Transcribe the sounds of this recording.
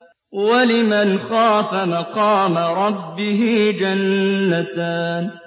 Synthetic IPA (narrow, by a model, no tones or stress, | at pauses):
walɪmanxaːfamaqɑːmaɾˤɑbːɪɦɪd͡ʒanːat̪aːn